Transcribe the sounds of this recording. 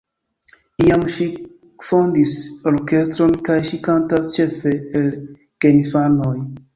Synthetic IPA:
iamʃi | fondisoɾke̞stɾo̞nkajʃikantast͡ʃe̞fe̞ːl | kenifanoj

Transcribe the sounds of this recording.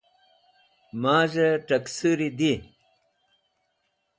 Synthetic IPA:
maːʑeʈɐksuɾid̪i

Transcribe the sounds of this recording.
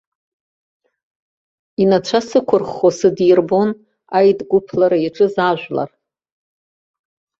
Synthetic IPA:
inat͡ʃʷʰasɨkʷʰʊrχosɨdjrbon | ajdɡʷʊpʰlaɾaiʈ͡ʂʼɨzaʒᶣʷla̰r

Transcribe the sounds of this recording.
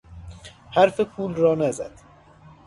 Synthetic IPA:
hæɾfepʰuːlɾɒːnæzæ̰d̪̥

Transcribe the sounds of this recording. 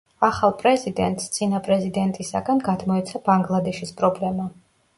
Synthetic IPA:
aχalˠpʼɾɛzid̪ɛ̰nt̪ʼst̪sʼinapʼɾɛzid̪ɛnt̪ʼisa̰ɡanɡad̪mɔɛt̪sʰabaŋɡlˠad̪ɛʃispʼɾɔblɛma

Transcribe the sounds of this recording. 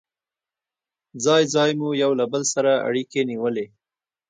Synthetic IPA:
d͡zɑjd͡zɑjmujawlabəlsaɾaa̰ɽikeniwəle

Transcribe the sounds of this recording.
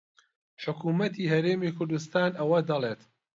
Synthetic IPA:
ħʊkʰuːmɐt̪ʰiːhɐɾeːmiːkʰʊɾd̪ust̪aːnɐwɐd̪ɐlˠeːt̪

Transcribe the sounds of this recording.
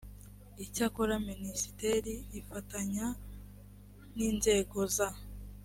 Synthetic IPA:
icakoɾaminisi̥teɾiːfataɲa | niːnze̞ɡo̞za

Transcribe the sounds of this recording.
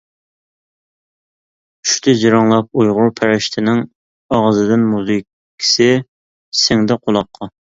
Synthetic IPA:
y̥ʃt̪ʰɪd͡ʒiɾɑŋlˠɑp̚ujʁʊɾpʰæɾɪʃt̪ʰɪnɪŋ | ɑʁəzɨd̪ɪnmuzɨkʰʲːi̥sɪ | sɪŋd̪ɛqʰolˠɑqʰːɑ

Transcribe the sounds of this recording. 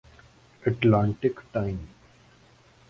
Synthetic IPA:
əʈlãːɳʈɪkʈaɪm

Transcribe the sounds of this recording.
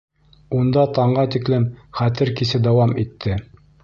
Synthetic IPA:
und̪ɑt̪ɑɴɢɑt̪iklɘmχæt̪ɘɾkisɘd̪æwɑmit̪ʰːɘ

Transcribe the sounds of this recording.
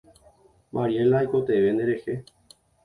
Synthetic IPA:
maɾielaːjko̞t̪eʋe̞nd̪eɾe̞he̞

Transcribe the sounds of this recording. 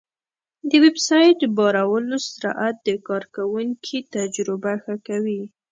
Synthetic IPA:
d̪əwebsɑjʈbɑɾawəlosɾɑ̰ʔat̪̚d̪əkɑɾkawuŋkʰit̪ad͡ʒɾʊbaxakawi

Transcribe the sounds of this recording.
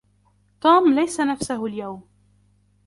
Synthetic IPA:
t̪uːmlajsanafsahʊljawm

